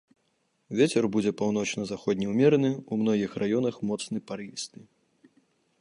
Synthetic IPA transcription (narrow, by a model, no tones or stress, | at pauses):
vʲet͡sʲɛrbud͡zʲɛpawn̪ɔt͡ʂnɐzaxɔd̪ʲnʲiwmʲɛɾɐnɨumnɔɣʲixrajɔnɐxmɔt̪snɨpaɾist̪ɨ